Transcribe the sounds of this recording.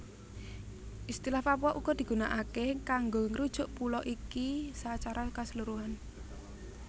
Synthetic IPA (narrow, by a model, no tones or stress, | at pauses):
ʔist̪ilahpapuɔʔuɡ̥ɔd̪̥i̤ɡ̥ṳnaʔakekaŋɡoŋəɾud̥ʒ̥ʊ̤ʔpulɔʔikisat͡ʃaɾakasəluɾuɦan